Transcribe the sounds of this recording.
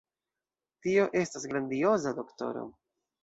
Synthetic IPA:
tio̞ʔe̞stasɡɾandio̞zado̞kto̞̰ɾo̰

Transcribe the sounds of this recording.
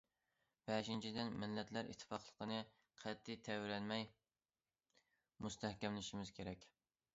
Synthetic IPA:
b̥ɛʃint͡ʃʰid̪ɪnmɪlːɛt̪læɾʔḭt̪ʰːɨ̥fɑqlˠəqənɨ | qʰæt̪ʰːɪt̪ʰɛwɾɛnmɛj | must̪ʰæhkʲɛmlɪʃimɪz̥kʲʰeɾɛkʲ

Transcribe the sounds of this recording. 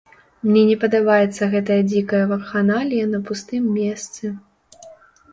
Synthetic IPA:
mnʲɛnʲɛpɐd̪abajɛt̪sːɐɣɛt̪ɐjɐd͡zʲikɐjɐvɐrxanalʲijɐnɐpust̪ɨmːʲɛst̪sɨ

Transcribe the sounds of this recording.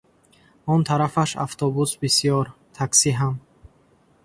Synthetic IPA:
ɔnt̪ʰaɾafaʃa̰ft̪ʰɔbusbisijɔɾt̪ʰaksiɦam

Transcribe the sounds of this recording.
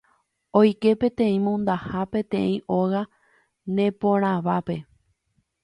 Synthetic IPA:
ojke̞pẽ̞t̪ẽ̞ĩmõnd̪ahapẽ̞t̪ẽ̞̰ĩʔoɣa | nẽ̞põɾ̃ãʋape̞

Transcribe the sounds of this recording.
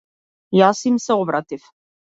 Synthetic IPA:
jasimsɛɔbɾat̪if

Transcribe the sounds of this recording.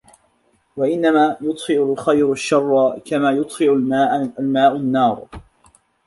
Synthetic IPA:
waʔɪnːamaːjʊt̪ˤhɪʕʊlxajɾaʃːɑrˤːkamaːjʊt̪ˤhɪʕmaːʔalmaːʔʊnːɑːɾˤ

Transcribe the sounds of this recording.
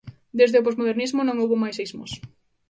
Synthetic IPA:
d̪ezðeop̬ozmoðeɾnizmonõŋowβomajsejzmos

